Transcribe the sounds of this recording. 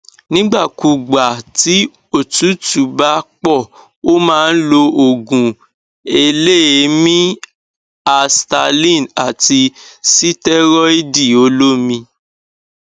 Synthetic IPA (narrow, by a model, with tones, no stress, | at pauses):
nĩ˦ɡ͡ba˦˨ku˨ɡ͡ba˨ti˨˦ | o˦˨tu˨˦tu˨ba˦k͡pɔ˦˨ | o˦mãː˦˧n̩˦lo˧o˨ɡũ˨ | e˧le˦e˧˦mĩ˦ | a˧sta˧lĩ˦˨na˨ti˧si˦tɛ˦ɾɔ˦e˦di˦˨o˨˦lo˦mĩ˧